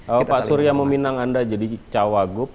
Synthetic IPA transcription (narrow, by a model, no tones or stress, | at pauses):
əpasuɾijaməminaŋandad͡ʒadit͡ʃawaɡʊp̚